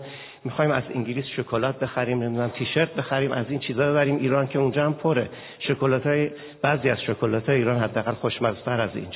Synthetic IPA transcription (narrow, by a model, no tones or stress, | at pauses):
mixɒːhimæ̰zḭŋɟilisʃokʰolɒːt̪̚be̞xæɾiːmne̞mid̪unæmt̪ʰiʃe̞ɾt̪̚be̞xæɾiːmʔæziːnt͡ʃʰiːzɒːbe̞βæɾiːmʔiːɾɒncʰe̞und͡ʒɒːhæmpʰoɾe | ʃokolɒt̪ʰɒːje | b̥æziːæzʃokʰolɒt̪ʰɒːjeiːɾɒːnhɦæd̪ːææɣælxoʃmæzt̪ʰæɾæzḭːn